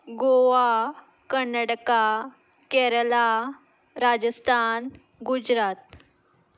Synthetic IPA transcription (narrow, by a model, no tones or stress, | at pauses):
ɡoʋa | kənːaʈka | kɛɾəla | ɾad͡ʑəst̪ʰan | ɡud͡ʑɾat̪̚